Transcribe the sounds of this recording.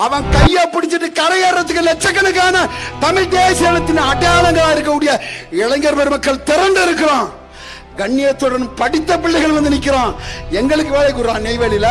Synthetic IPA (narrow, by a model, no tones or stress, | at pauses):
ɐʋɐ̃nkɐjːaːpɪɽɪt̪ːɯʈːɯkɐɾɐjeːɾːɐt̪ːɯkːɯlɛt͡ʃːɐkːɐnɯkːaːnɐt̪ɐmɪɻd̪eːseːlɐt̪ːɪnɐɽɐjaːlɐŋɡɐɭaːɪɾɯk̬ːɐkɯɽɪjɐɪɭɐŋɡɐɾpɐɾɯmɐkːɐɭt̪ɪɾɐɳɖɯɪɾɯkːɪɾãː | ɡɐɳːɪjɐt̪ːɔɽɐnɯmpɐɽɪt̪ːɐpɪɭːɐɪɣɐɭʋɐnd̪ɯnɪkːɪɾãːɛŋɡɐɭɯkːɯʋeːlɐɪkːuɽɾãːneɪʋeːlɪlɐ